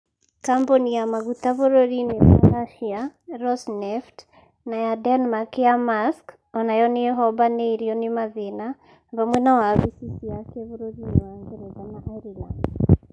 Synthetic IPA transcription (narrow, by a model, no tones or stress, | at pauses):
kambonijamaɣutaβoɾoɾinewa̰ɾaʃiaɾɔsnɛft | najadɛnmakjamask | ɔnajɔnejɛɦɔβanɛiɾiɔnimaðena | βamwɛnawaβisisijakɛβoɾoɾinewaŋɡɛɾoðanaʔaiɾiland